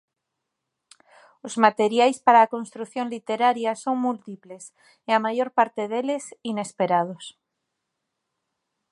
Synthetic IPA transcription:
ozmat̪e̞ɾjajspaɾaːko̞nst̪ɾuθjo̞nlit̪e̞ɾaɾjaso̞ŋmult̪iple̞s | eamaʝo̞ɾpaɾt̪e̞ðelesine̞spe̞ɾað̞os

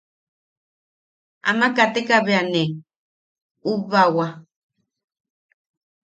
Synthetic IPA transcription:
a̰makat̪ekaβeane | uβawa

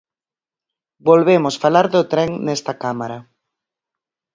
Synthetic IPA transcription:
bolβemʊsfalaɾðʊt̪ɾɛŋnɛst̪ɐkamaɾa

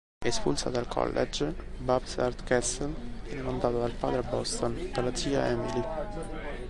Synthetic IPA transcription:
espṵlsa̰d̪alkʰɔ̰lːʔɛ̰d͡ʒbabsard̪kɛsɛlvjɛnɛmand̪aːt̪od̪alpaːd̪ɾebɔst̪onperlat̪siːa̰ɛmili

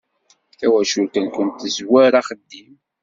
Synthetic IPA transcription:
θæwæʃulkænkʷənt̪əzwæɾaχəd̪ːim

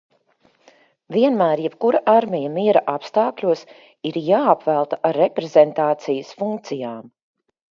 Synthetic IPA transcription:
vʲiɛnmæːɾjɛpkuɾaʔaɾmʲɛjamiɛɾaʔapst̪aːklʲuɔs | iɾjaːapvælˠt̪aʔaɾːɛpɾezent̪aːt̪sijəsfuŋk̚t̪sijaːm

